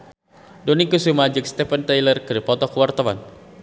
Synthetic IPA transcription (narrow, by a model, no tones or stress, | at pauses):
dɔnikusumad͡ʒɪk̚st̪ɛfənt̪ajlərkɨɾipɔt̪ɔkəwart̪awa̰n